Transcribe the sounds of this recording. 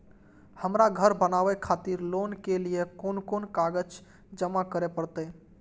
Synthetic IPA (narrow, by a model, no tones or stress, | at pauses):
həmɾaɡʱəɾbənaʋɛkʰat̪iɾlonkelijekonkonkaɡəd͡ʒ | d͡ʒəmakəɾepəɾt̪ə